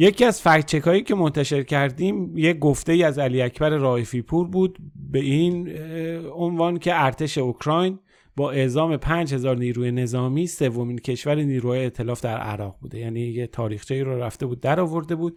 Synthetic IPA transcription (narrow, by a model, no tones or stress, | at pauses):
jecʰiːæzfæɾt͡ʃʰe̞kʰɒːiːcʰe̞mo̞nt̪ʰæʃe̞ɾcʰæɾd̪iːmje̞ɡo̞ft̪e̞iːæzæliːæcʰbæɾeɾɒːefiːpʰuɾbuːd̪be̞in | o̞nvɒːncʰe̞æɾt̪ʰe̞ʃe̞okɾɒːjn | bɒːʔe̞zɒːme̞pʰænd͡ʒhe̞zɒːɾniːɾuːje̞ne̞zɒːmiːse̞vːo̞mincʰe̞ʃvæɾeniːɾuhɒːjeeːt̪ʰe̞lɒːfd̪æɾæ̰ɾɒːʁbuːd̪e̞jæːniːjet̪ʰɒːɾiːxt͡ʃʰeiːɾɔɾæft̪e̞buːd̪ːæɾɒːvo̞ɾd̪e̞buːd̪̥̚